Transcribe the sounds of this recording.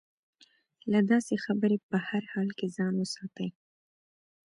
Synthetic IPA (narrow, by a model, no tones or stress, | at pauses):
lad̪ɑsexabəɾepəhaɾhɑlkezɑnwəsɑt̪əj